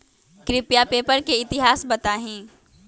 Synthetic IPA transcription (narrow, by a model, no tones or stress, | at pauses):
kɾɪpjapeːpəɾkeɪt̪ɪɦaːsbɐt̪aːɦĩː